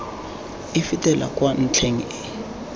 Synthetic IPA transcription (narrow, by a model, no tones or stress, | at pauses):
ifitʼɛla̰kʼwan̩t͡ɬʰeŋiɪ